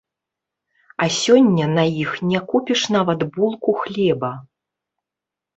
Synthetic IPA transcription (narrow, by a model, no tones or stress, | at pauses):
ɐsʲɔnʲːɐnɐjixnʲɛkupʲiʂnavɐt̪bulˠkuxlʲɛbɐ